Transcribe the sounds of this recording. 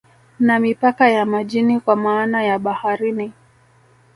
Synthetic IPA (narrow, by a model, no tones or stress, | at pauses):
namipakajamaʄinikwamaːnajaɓahaɾini